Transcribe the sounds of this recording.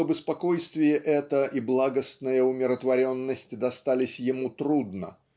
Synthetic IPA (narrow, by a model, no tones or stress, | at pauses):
əbɪspɐko̞jst̪vʲɪjəʔɛt̪əʔiblˠaɡəst̪nəjəʊmʲɪɾət̪vɐɾʲo̞nːəsʲtʲd̪ɐst̪alʲɪsʲjɪmut̪ɾud̪nə̰